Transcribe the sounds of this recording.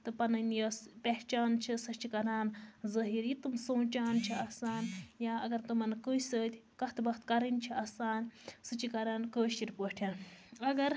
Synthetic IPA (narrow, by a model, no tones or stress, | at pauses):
t̪ɨpɐnɐnjɐːspʲeɦt͡ʃaːnt͡ʃʰisɐt͡ʃʰikɐɾaːnzɐɦiːɾjit̪ɨmsoːnt͡ʃaːnt͡ʃʰiɐsaːnjaːɐɡɐɾt̪umɐnkəjsəːt̪ʲkɐht̪ʰbɐxt̪kɐɾɨnt͡ʃʰiɐsaːnsɨt͡ʃikɐɾaːnkəːʃiɾʲpoʈʲʰjaːnɐɡɐɾ